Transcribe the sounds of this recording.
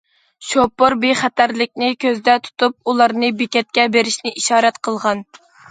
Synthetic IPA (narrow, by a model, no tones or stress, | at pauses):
ʃopːoɾbeχæt̪æɾlɪkʲnɪkʲʰøzd̪ɛt̪ʰu̥t̪up̚ulˠɑɾnɨbekʲɛt̪̚kʲɛbeɾɪʃnɪʔiʃɑːɾɛt̪qʰəlˠʁɑn